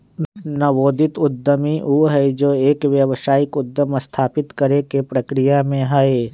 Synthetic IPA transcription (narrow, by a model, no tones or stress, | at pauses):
nɐʋoːd̪ɪt̪ʊd̪ʱːəmiʔuːɦɛed͡ʒoːeːkʋjɐʋəʃaːɪkʊd̪ːəmɐst̪ʰaːpɪt̪kɐɾekepɾɐkɾɪjamẽɦɐe